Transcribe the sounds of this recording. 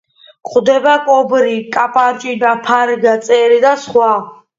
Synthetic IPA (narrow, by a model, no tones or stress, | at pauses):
χʰʼd̪ɛbakʼɔbɾikʼapʼant͡ʃʼid̪apʰaɾɡat̪sʼɛɾid̪asχwa